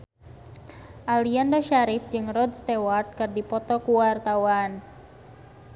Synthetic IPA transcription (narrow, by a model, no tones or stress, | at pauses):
ʔaliandoʃaɾɪfd͡ʒɨŋrɔd̪st̪ewart̪̚kɨrdipɔt̪ɔkuwart̪awan